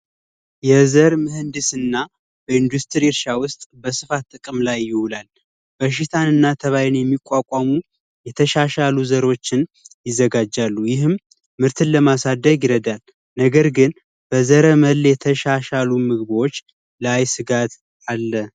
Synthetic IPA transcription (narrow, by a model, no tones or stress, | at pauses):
jɛzəɾmɨhɨnd̪ɨsɨnːa | b̥əɨnd̪ust̪ʰɨɾiɪɾʃawʊst̪ʼbəsɨfat̪ːʼɨkʼɨmlajːɪhulal | b̥əʃ̬it̪ʰanɨnːat̪ʰəβajɛnjɛmːikʷʼːakʼamu | jɛt̪ʰəʃaʃaluzəɾo̞t͡ʃːɪnjɪzːəɡad͡ʒːalːujɪɦɨmː | ɨɾt̪ʰɨnləmasad̪əɡɪɾəd̪al | nəɡəɾɡɨn | b̥əzəɾəməlːjɛt̪ʰəʃaʃalumɨɡβwo̞t͡ʃː | lajsɨɡat̪ | alːə